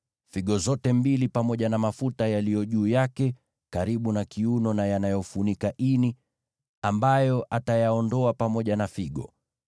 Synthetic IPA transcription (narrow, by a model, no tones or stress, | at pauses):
fiɠɔzɔtɛmbilipamɔʄanamafutajalijɔʄuːjakɛ | kaɾiɓunakiunɔnajanajɔfunikaʔini | ambajɔʔatajaɔndɔapamɔʄanafiɠɔ̰